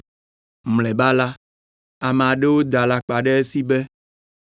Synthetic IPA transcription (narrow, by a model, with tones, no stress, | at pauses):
mlɛ˨ba˦la˦ | a˨me˨a˨ɖe˦wo˦d̪a˨la˦k͡pa˨ɖe˦e˦si˦be˦